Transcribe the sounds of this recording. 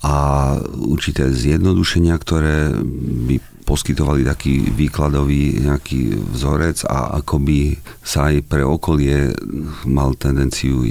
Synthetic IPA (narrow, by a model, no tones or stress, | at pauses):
a | ṵɾt͡ʃit̪ɛːzjɛd̪nɔd̪uʃɛɲɪakt̪ɔɾɛːbi | pɔskit̪ɔʋalit̪akḭːʋiːklad̪ɔʋiːɲɛakḭːvzɔɾɛd͡za̰a̰kɔbi | saːjpɾɛɔkɔlɪɛ | malt̪ɛnd̪ɛnt͡siu